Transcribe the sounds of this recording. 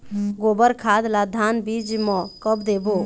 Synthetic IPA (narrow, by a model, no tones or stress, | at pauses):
ɡobəɾkʰad̪lad̪ʱanbid͡ʒmɔkəbd̪ebo